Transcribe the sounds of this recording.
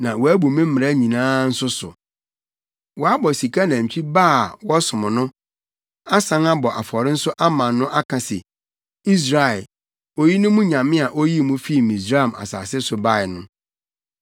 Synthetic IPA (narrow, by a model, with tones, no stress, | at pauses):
nã˨wɔ˨æ˦bu˨mɪ̃˦m̩˦mɪ̃˨ɾa˦ɲĩ˨nãː˦n̩˦sʊ˦sʊ̰˨ | wɔ˨a˦bɔ˨si˨kʰa˦nã˨ɲ̩˨t͡ɕʰᶣi˦baː˦˨wɔ˦sʊ˨mʊ̃˨nʊ̃˦ | a˦sã˦ŋa˦bɔ˨ʔa˨fɔ˨ɾɪ̃˦n̩˦sʊ˦ʔa˦mã˨nːʊ̃˦ʔa˦kʰã˨sɛ̰˨ | i˦s̬ɾa˦˨ɛ˨l | o˨ji˦nʊ̃˦mʊ̃˦ɲã˨mɪ̃˦a˨ʔo˦ji˦˨mũ˦fi˦˨mĩ˨sɾa˦˨ma̰˨sa̰ː˨sɪ˦sʊ˨ba˦˨ɪ˨nʊ̃˦